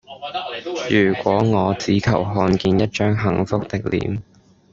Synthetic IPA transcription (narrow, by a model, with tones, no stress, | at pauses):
jyː˨˩kʷɔː˨˥ŋɔː˨˧t͡siː˨˥kʰɐ˨˩wɦɔː˧nkiː˧njɐ˥t̚t͡ʃœː˥ŋɦɐ˨˥ŋfʊ˥k̚t̪ɪ˨k̚lḭː˨˥m